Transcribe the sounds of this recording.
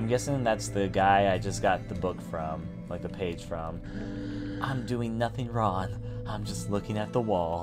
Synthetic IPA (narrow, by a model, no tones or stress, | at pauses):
ɪ̃mɡɛsɪ̃ŋðætsðɨɡaɪaɪd͡ʒʌsɡ̥ɑt̪̚ðɨbʊkfɹʌ̃m | laɪk̚ðɨpʰeɪd̥ʒ̥fɹʌ̃m | ʔãɪ̃mdʉɪ̃ŋnʌθɪ̃ŋɹɔ̃ŋ | ãɪ̃md͡ʒʌstˡlʊkɪ̃ŋɨt̪̚ðəwɔlˠ